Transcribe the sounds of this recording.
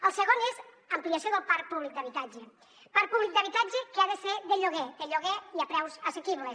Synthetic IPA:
əlˠsəɣonez | əmpliasjoðəlˠpaɾpuβlik̚d̪əβit̪ad͡ʒe | paɾpuβlik̚d̪əβit̪ad͡ʒekeaðəseðəʎoɣed̪əʎoɣeiapɾɛwzəsekiβles

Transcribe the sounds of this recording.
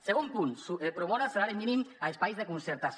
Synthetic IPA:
seɣumpunsuepɾoβɔɾaseɾaɾeminimaespajzðekunseɾt̪as

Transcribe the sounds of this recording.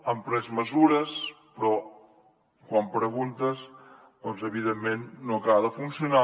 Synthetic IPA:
əmpɾɛzməzuɾəs | pɾɔ | kwampɾəɣunt̪əs | d̪ɔnzəβiðemːenːokaðəfunsiuna

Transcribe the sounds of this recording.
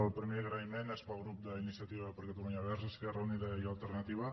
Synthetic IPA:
əlˠpɾimeɣɾaimenespəlˠɣɾup̚d̪əinisiat̪iβəpəɾket̪uβaɲaβɛɾsəskɛrəuniðəjalˠt̪əɾnət̪iβə

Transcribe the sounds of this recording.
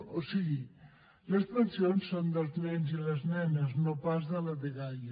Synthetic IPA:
osiɣi | ləzmənsionsːond̪əlˠznɛnziləznɛnəznopazðələðeɣaj

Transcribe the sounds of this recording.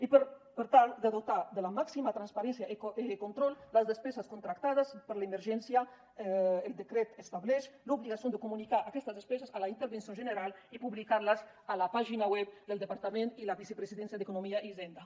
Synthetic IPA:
ipəɾpəɾt̪ald̪əðot̪ad̪əlamaksimat̪ɾanspaɾɛnsjaʔeekont̪ɾɔlːəzðəspɛzaskont̪ɾakt̪að̞aspəɾleməɾʒɛnsja | eld̪əkɾɛt̪est̪aβlɛʃluβliɣasijond̪əkumunikaʔakɛst̪azðespɛzasalaint̪əɾβensjonʒənəɾalipuβlikaɾlaz | alapaʒinawɛp̚d̪əlˠd̪əpaɾt̪amẽnt̪ilaβisepɾesiðɛnsjad̪ekunomiaʔizɛnd̪a

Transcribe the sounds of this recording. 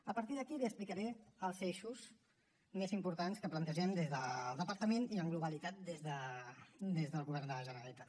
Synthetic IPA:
əpəɾt̪iðəkiliəsplikəɾɛəlˠzeʃuz | mezimpuɾt̪anskəplənt̪əʒɛmd̪ezðəlˠd̪əpəɾt̪əmeniəŋɡluβəlit̪at̪̚d̪ezðə | d̪ezðəlˠɣuβɛɾnd̪ələʒənəɾəlit̪a

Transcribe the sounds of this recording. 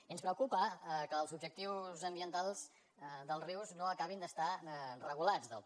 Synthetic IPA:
iənspɾəwkupəkəːlˠzubd͡ʒək̚t̪iwzəmbiənt̪alˠz̥ | d̪əlˠriwznoəkaβind̪əst̪arəɣulad͡zðə̰lˠ

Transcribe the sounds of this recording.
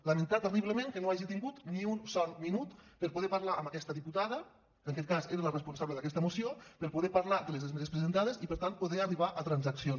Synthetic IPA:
ləmənt̪at̪əriβləmẽŋkənoaʒit̪iŋɡut̪niunsɔɾminut̪pəɾpuðɛpaɾlaʔəməkɛst̪əðiput̪aðə | kəŋkɛt̪̚kazeɾələrəspunsaβləðəkɛst̪əmusiopəɾpuðɛpaɾlad̪əlezðezmezespɾezənt̪að̞ezipəɾt̪an̚puðɛariβaʔət̪ɾanzaksion

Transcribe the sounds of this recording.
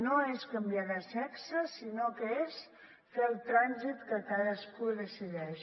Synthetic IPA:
noeskəmbjaðəsɛksəsinokəes | felˠt̪ɾanzit̪kəkaðəskuðəsiðɛʃ

